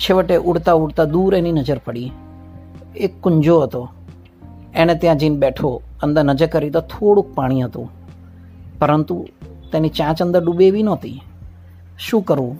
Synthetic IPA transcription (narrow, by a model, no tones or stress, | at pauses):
t͡ʃʰeʋəʈeʔuɽt̪aʊɽt̪ad̪uɾeninəd͡ʒəɾpəɽi | ekːʊɲd͡ʒoɦət̪o | enet̪jãd͡ʒinbeʈʰo | ənd̪əɾnəd͡ʒəɾkəɾit̪ot̪ʰoɽũk̚paɽ̃iɦət̪ṵ̃ | pəɾənt̪u | t̪enit͡ʃãt͡ʃə̃nd̪əɾɖubeʋinot̪ḭ | ʃũːkəɾũ